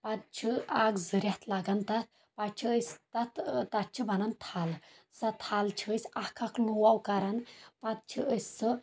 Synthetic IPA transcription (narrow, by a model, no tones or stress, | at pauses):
pat̪̚t͡ʃʰiaɡd͡zəɾjat̪ʰlaɡant̪at̪̚ | pat͡ʃʰiəst̪at̪t̪at̪̚t͡ʃʰibanant̪ʰal | sat̪ʰalt͡ʃʰiəsʲakʰakluwawkaɾanpat̪̚t͡ʃʰiəst͡sə